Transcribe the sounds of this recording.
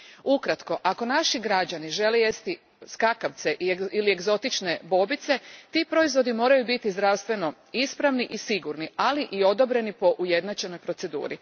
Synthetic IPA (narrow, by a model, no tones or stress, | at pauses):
ukɾat̪ko̞ʔako̞naʃiɡɾad͡ʑaniʒe̞leje̞st̪i | skakaʋt̪seʔiilieɡzo̞t̪it͡ʃne̞bo̞bit̪se̞t̪ipɾo̞izʋo̞d̪imo̞ːɾajubit̪izd̪ɾaʋst̪ʋe̞no̞ | ispɾaʋniʔisiɡuɾnialiʔio̞d̪o̞bɾe̞nipo̞ʔuje̞d̪nat͡ʃe̞no̞jpɾo̞t̪se̞d̪ṵːɾi